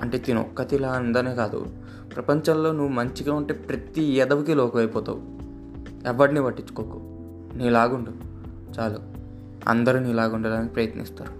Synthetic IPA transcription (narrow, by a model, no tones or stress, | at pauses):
ɐɳʈe̞ːt̪inɔ̰kːɐt̪ilaːnd̪ɐne̞ːkaːd̪ṵ | pɾɐpɐɲt͡ʃɐmlo̞ːnuʋːumɐɲt͡ʃiɡaːuɳʈeːpɾɐt̪ijɛd̪ɐʋukilɔːkɐʋɐjpɔːt̪a̰ːwu | ɛʋːɐɽniʋɐʈːit͡ʃːu̥koːku | niːlaːɡuɳɖu | t͡ʃaːluː | ɐ̰nd̪ɐɾuniːlaːɡuɳɖɐlanpɾɐjɐt̪nḭst̪a̰ːɾu